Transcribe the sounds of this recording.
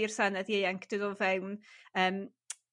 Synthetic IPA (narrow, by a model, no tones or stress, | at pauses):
ir̥sanɛðiejaŋkʰd̥ɨðɔvɛwnəːm